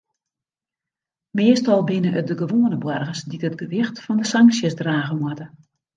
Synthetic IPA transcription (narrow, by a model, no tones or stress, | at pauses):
mɪəstɔlˠbɪnəʔədəɡəʋoːnəbwɔrɣəsditətɡəʋɪxtfɔndəsaŋksjəsdraːɣəmwɔtə